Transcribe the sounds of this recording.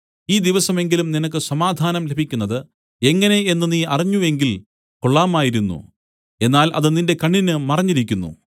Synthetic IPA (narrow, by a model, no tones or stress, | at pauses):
iːd̪iʋɐsɐme̞ŋɡilumninɐk̬ːɨsɐmaːd̪ʱaːnɐmle̞bʱikʲːunːɐðɨ | e̞ŋːɐne̞enːɨniːɐriɲːuʋe̞ŋɡil | ko̞ɭːaːmaːjiɾunːṵ | e̞nːaːlʔɐ̰ðɨninde̞kɐɳːinɨmɐrɐɲːiɾikʲːunːṵ